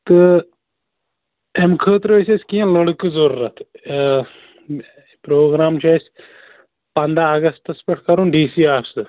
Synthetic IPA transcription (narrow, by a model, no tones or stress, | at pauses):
t̪ɨ | emkʰəːt̪ɾoesʲesʲkiẽloɽkizɐɾuːɾɐt̪ʰ | pɾoːɡɾaːmt͡ʃʰɐsʲ | pɐnd̪aːɡɐst̪ɐspɐʈʰkɐɾũːnɖiːsiːaːfsɨ